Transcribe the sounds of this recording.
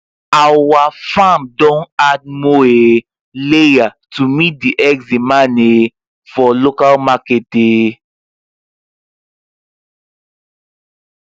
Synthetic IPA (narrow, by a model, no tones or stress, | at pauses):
awafãmdɔ̃nad̚moe | lejatumit̚diʔɛksdimane | fɔlokalmakete